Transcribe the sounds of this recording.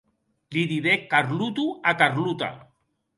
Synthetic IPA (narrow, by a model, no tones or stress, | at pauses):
liðiðekːaɾlut̪uakaɾlut̪a̰